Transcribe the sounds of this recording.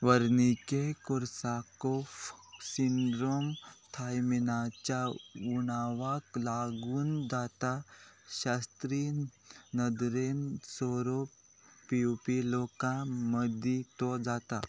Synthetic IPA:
ʋəɾnikekɔɾsakɔfsiɳɖɾomt̪ʰajminat͡ɕjauɽ̃aʋaklaɡuːnd͡zat̪aɕast̪ɾinəd̪ɾensɔɾo | piupilɔkãməd̪ʱit̪ɔd͡zat̪a̰

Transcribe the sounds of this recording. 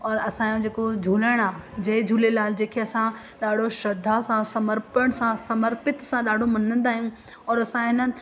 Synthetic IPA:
ɔːɾɐsãːjõd͡ʑeːkod͡ʑʱuːləɽ̃aːd͡ʑɐːd͡ʑʱuːlelaːld͡ʑeːkʰeɐsã | ɗaːɖ̤ʱoʃɐd̪ʱasãsɐməɾpəɽ̃sãsɐməɾpɪt̪sãɗaːɖʱomɐnə̃nd̪aːɦijũ | ɔːɾɐsãɦɪnənɪ̆

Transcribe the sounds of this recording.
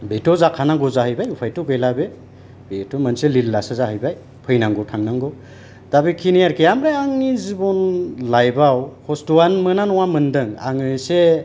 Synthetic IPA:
betɔzakʰanaɡɔzahɯjbajupʰajtuɡejlabe | betɔmənselilːasazahɯjbaj | pʰɯjnaŋɡɔtʰaŋnaŋɡɔ | dabikʰinijaɾkejamɾeaŋnizibɔnlajbawhɔstuwanmɯnanɔwamɯndɯŋa̰ŋɯjse

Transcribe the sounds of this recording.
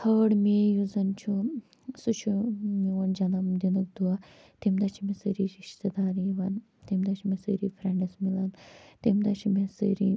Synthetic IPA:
t̪ʰəːɽmeːjuzɐnt͡ʃʰu | sut͡ʃʰuiʋɐnd͡ʒɐnɐmd̪inuk̚d̪uɐ | t̪imd̪ɐt͡ʃʰimesəɾiːɾiʃt̪ed̪aːɾiʋɐn | t̪imd̪ɐt͡ʃʰumesəɾiːfʰɾɛɳɖɐsmilɐnt̪imd̪ɐt͡ʃʰumesə̰ɾi

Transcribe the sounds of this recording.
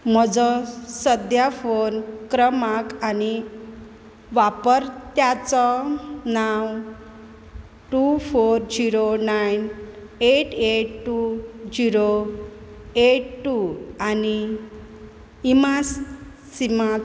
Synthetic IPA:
m̤ɔd͡zɔsəd̪ʱjafonkɾəmakani | ʋapəɾt̪jat͡sɔnaw | ʈufoɾd͡ʑiɾonajn | eʈeʈʈːud͡ʑiɾo | eʈʈːuani | imasː | ima

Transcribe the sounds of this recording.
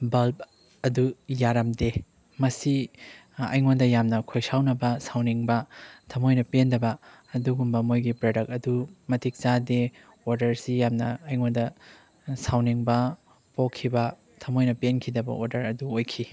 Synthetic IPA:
bɐlp̚ | ɐdujaɾɐmde | mɐsi | ɐ̰jŋondɐjamnɐkʰojsawnɐbɐsawniŋbɐtʰɐmojnɐpendɐbɐː | duɡumbɐmojɡipɾodɐk̚ɐdumɐtʰik̚t͡ʃade | oɾdɐɾsijamnɐːjŋondɐ | sawniŋbɐ | pokʰːibɐ | tʰɐmojnɐpenkʰidɐbɐ̰o̰ɾdɐɾɐduojkʰi

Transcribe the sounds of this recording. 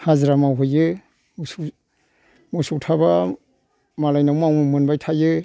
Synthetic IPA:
hazɾamawɦɯjɯ | musu | musuk̚tʰaba | malajnawmawmumɯnbajtʰajɯ

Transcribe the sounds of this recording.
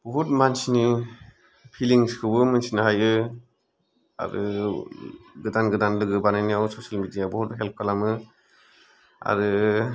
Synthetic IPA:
b̥ɔɦut̚mansni | pʰiliŋskʰɯbɯmɯnsinaɦajɯ | a̰ɾɯ̰ | ɡɯdanɡɯdanlɯɡɯbanajnijawsɔsalmidijabɔhutɦɛlp̚kʰalamɯ | a̰ɾɯ

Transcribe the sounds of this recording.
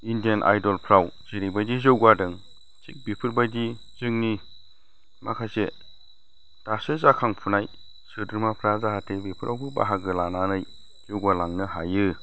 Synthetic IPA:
indijanʔa̰jdɔlpʰɾawz̥eɾibajdizɯwɡadɯŋ | sik̚bipʰɯɾbajdi | zɯŋni | makʰajse | d̥asɯzakʰaŋpʰunaj | sɯdɯɾmapʰɾazaɦatʰebipʰɯɾʔawbɯba̰ɦaɡɯlananɯj | z̥ɯwɡalaŋnɯɦajɯ

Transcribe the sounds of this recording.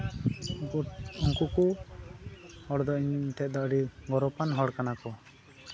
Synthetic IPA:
uŋkuku | hɔɽd̪ɔiɲt̪ɛt̪̚ˀd̪ɔʔɽiɡɔɾɔpanɦɔɽkanakɔ

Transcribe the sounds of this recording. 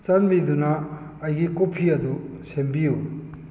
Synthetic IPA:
t͡ʃɐnbid̪unɐː | jɡikopʰiɐd̪u | sembiu

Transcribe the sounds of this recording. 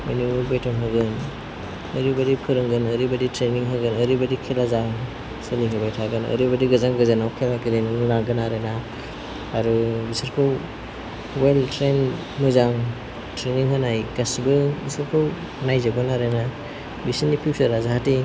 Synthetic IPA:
menubajtʰɔŋɦɯɡɯn | ɐɾibadikʰɯɾɯŋɡɯnəɾibaditɾeniŋɦɯɡɯnəɾibadikʰilazaŋ | sɯliŋɦɯbajtʰaɡɯnɐ̰ɾibadiɡazaŋɡɯzanawkʰemakelenɯɯnaɡɯnaɾenaː | ɾubisaɾkʰɯw | weltɾen | mɯzaŋ | tɾeniŋɦɯnajkasbɯbisɯɾkʰɯw | najzabɯnaɾena | bisinːipʰiwpsaɾazahati

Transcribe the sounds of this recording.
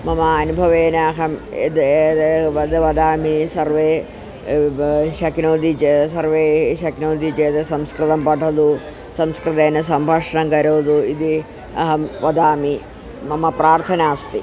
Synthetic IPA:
mɐmɐɐnubʱɐʋeːnɐɐɦɐmḛd̪ | ʋɐd̪ɐʋɐd̪aːmisɐɾʋeː | ʃɐknoːd̪it͡ʃesɐɾʋeːʃɐknoːd̪ʱit͡ʃeːt̪ɐsɐmskɾɨt̪ɐmpɐʈʰɐd̪u | sɐmskɾɨt̪eːnɐsɐmbʱɐːʂɐɳɐmkɐɾoːd̪uid̪i | ɐ̰ɦɐmʋɐd̪aːmi | mɐmɐpɾaːɾt̪ʰɐnaːst̪i

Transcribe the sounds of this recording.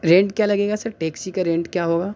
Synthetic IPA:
ɾẽːɳʈkjaːlɐɡeːɡasɐɾʈeːksikaɾẽːɳʈkjaːɦoːɡaː

